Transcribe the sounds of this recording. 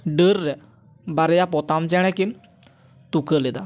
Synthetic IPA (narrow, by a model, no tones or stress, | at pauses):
ɖəɾːɛ | baɾjapɔt̪amt͡ɕɛ̃ɽ̃ɛ̃kin | t̪ukəled̪a̰